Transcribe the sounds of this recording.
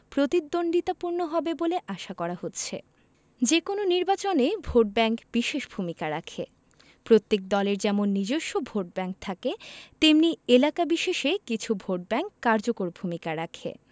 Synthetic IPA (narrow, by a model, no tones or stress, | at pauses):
pɾot̪id̪ːonɖit̪apuɾnoɦɔbeboleʔaʃakɔɾaɦotːɕʰḛ | d͡ʑekononiɾbat͡ɕonebʱoʈ̚bɛŋkbiʃeʃbʱumikaɾakʰḛ | pɾot̪ːek̚d̪ɔleɾd͡ʑɛmonːid͡ʑoʃːobʱoʈ̚bɛŋk̚t̪ʰaket̪emnielakabiʃeʃekit͡ɕʰubʱoʈ̚bɛŋkːaɾd͡ʑokoɾbʱumikaɾakʰḛ